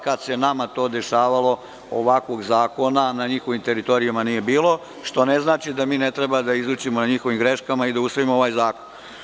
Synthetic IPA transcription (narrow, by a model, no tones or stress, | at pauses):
kad̪senamat̪o̞ːd̪e̞ʃaːʋalo̞ | o̰ʋakʋo̞ɡzaːko̞nanaɲixo̞ʋimt̪e̞ɾit̪o̞ɾijumanije̞biːlo̞ | ʃt̪o̞ne̞znaːt͡ʃid̪amiːne̞t̪ɾe̞bad̪aizuːt͡ɕimonaɲixo̞ʋimɡɾe̞ʃkamaid̪ausʋoimooʋaːjzaːkon